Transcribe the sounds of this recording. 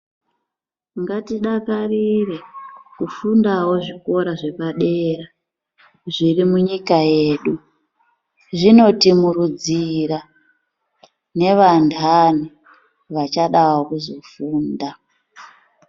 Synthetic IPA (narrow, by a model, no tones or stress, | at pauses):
ŋɡatiɗakarire̞kufundawo̞ʐiko̞ɾaʐe̞paɗeːɾa | ʐirimuɲikaje̞ːɗu | ʐino̞timuɾud͡zira | ne̞ʋantʰan̤u | ʋat͡ʃaɗawokuzo̞fuːnda